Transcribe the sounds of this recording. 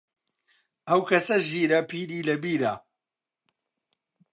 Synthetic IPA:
ɐwkɐsɐʒiːɾɐpʰiːɾiːlɐbiːɾa

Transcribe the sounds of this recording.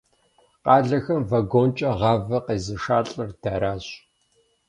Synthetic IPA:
qɑːɮɐxɐmvɐɡoːnt͡ʃʼɐʁɑːvɐqeːzɨʂaːɬʼɐrd̥aɾaːɕ

